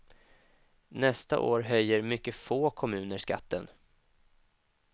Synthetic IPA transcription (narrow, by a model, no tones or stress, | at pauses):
nɛst̪a̰ʔoːɾɦœjːəɾmʏkːəfoːkʰɔmʉ̟ːnəʂka̰t̪ːən